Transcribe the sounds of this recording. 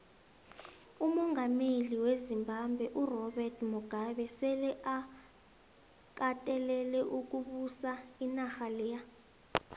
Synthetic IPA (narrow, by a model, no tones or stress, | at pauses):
umɔŋɡameliwezimbʱambʱwɛʔurɔɓɛrtʰmuɡ̥ʱaɓɛsɛlɛʔa | k̬ʼatʼɛlɛlɛʔuk̬uɓusainaxalɛːja